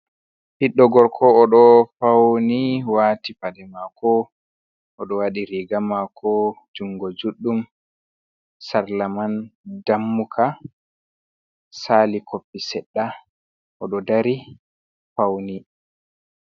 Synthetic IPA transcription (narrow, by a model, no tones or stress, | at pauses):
hiɗːɔɡɔɾkʰɔːɗɔfawniwaːtifadɛmakɔ | ʔɔɗɔwaɗiɾiɡamakʰɔd͡ʒuŋɡɔd͡ʒuɗːum | saɾlamandamːukʰa | saːlikʰopːisɛɗːa | ʔɔɗɔdaɾi | fawni